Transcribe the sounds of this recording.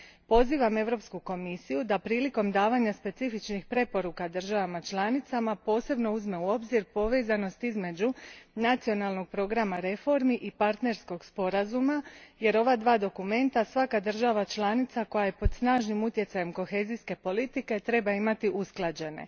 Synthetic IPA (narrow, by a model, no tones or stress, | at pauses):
po̞ziːʋame̞ʋɾo̞pskuko̞misijud̪apɾiːliko̞md̪aːʋaɲaspe̞t̪sifit͡ʃnixpɾe̞po̞ɾukad̪r̩ʒaʋamat͡ʃlˠaːnit̪samapo̞ːse̞bno̞uzme̞uo̞bziɾpo̞ʋe̞zano̞st̪izme̞d͡ʑunat̪sio̞nalˠno̞ɡ̚pɾo̞ɡɾamaɾe̞fo̞ɾmiʔipaɾt̪ne̞ɾsko̞ɡspo̞ɾazumaje̞ɾo̞ʋad̪ʋaːd̪o̞kume̞nt̪asʋakad̪ər̩ʒaʋat͡ʃlˠaːnit̪sako̞jaje̞po̞d̪snaːʒnimut̪je̞t̪sajemko̞xe̞ːziske̞po̞lit̪ike̞t̪ɾe̞baimat̪iʔusklˠad͡ʑe̞ne̞̰